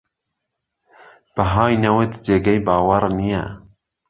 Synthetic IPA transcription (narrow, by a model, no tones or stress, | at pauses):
b̥əɦɑːjnɐwet̪d͡ʒeːɡɛjbɑːwɐɾnijɛ̰